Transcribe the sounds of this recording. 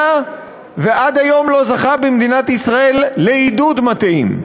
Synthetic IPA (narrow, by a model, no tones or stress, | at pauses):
veʔad̪ajo̞mlo̞zaχabimd̪inat̪isʁae̞lːeid̪ud̪mat̪eim